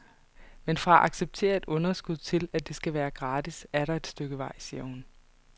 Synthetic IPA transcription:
menfʁɑ̈ʔɑ̈ɡ̥seb̥̚t͡sʰe̝̰ːɐe̝d̥ɔ̽nɐsɡ̥uð̞̰ˠt͡sʰe̝læd̥e̝sɡ̥æʋæːɐɡ̥ʁɑ̈ːd̥isæɐɾɑ̈e̝d̥sd̥øɡ̥əʋɑ̈ɪ̰siːɐhun

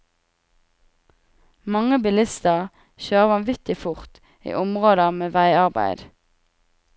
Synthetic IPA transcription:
mɑŋəbɪlɪst̪əʁ | çøːʁʋɑnʋɪt̪ɪfʊʁt̪ | ḭːʔʊmʁoːd̪əmeːʋæɪɑʁbæ̰ɪd̪

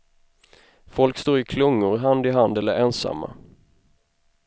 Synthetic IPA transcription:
fɔlkst̪oːɾɪkʰlɵŋːʊɾɦand̪ɪɦand̪ɛlːəɾɛnsa̰mːa̰

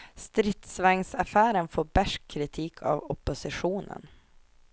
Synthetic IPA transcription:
st̪ɾɪt̪svɛŋsafæːɾənfoːbæʂkʰːɾɪt̪ʰiːkʰɑ̰vɔpːʊsɪɧuːnə̰n

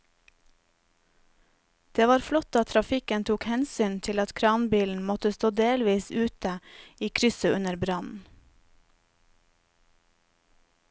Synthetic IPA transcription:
d̪̥eːʋɑːɾflɔt̪ɑt̪ʰɾɑfɪkənt̪ʰuːkhɛnsyːnt̪ʰɪlɑt̪kʰɾɑːnbiːln̩mɔt̪əst̪oːd̪eːlʋiːsʉːt̪əiːkʰɾʏsəʉnəɾbɾɑnn̩

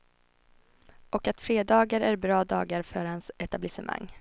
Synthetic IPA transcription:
ʔɔkat̪fɾeːd̪ɑːɡaɾæɾbɾɑːd̪ɑ̰ːɡaɾfœɾhansɛt̪ablɪsəmʔa̰ŋː

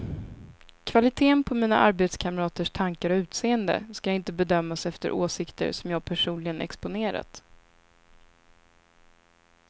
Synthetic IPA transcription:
kʰv̥alɪt̪ʰeːənpʰɔmiːna̰ʔaɾbeːt̪skʰamɾɑːt̪əʂt̪ʰaŋkaɾɔʉ̟ːt̪seːənd̪ə̰skajaɪnt̪əbɛd̪œmːasɛft̪ə̰ɾʔoːsɪkt̪ə̰ɾsɔmjɑːɡ̚pʰæʂuːnlɪɡənɛ̰kspʊneːɾa̰t̪

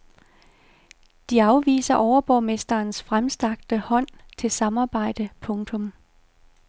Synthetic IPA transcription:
d̥iɑ̈ʊʋḭːsɐʔɒʊɐb̥ɒ̰ːme̝sd̥ɐːnsfʁamsd̥ɑ̈ɡ̥̚d̥əhɒ̽n̰t͡sʰe̝lsɑ̈mɑ̈ːb̥ɑ̈ɪ̰d̥əpʰɔ̽ŋt͡sʰɔ̽m

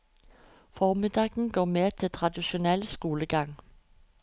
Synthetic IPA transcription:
fɔmɪd̪ɑːɡ̥n̩ɡoːmeːt̪ʰɪlt̪ʰʁɑd̪ɪʃʊnɛlskuːləɡ̥ɑŋ

